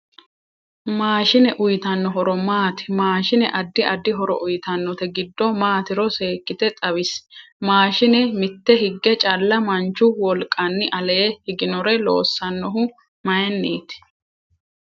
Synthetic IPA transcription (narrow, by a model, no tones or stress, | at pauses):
maːʃɪnɛʔʊjt̪ɐnːɔɦɔɾɔmaːt̪ɪ̥maːʃɪnɛ̰ʔɐd̪ːɪʔɐd̪ːɪɦɔɾɔ̰ʔʊjt̪ɐnːɔt̪ɛɡɪd̪ːɔmaːt̪ɪɾɔse̞ːkːɪt̪ɛt̪ʼɐβɪs | maːʃɪnɛmɪt̪ːɛɦɪɡːɛt͡ʃʼɐlːɐmɐnt͡ʃːʊwɔlkʼːɐnːɪʔɐleːhɪɡɪnɔɾɛlo̰ːsːɐnːɔɦʊ | mɐjɛnːeːt̪ɪ̥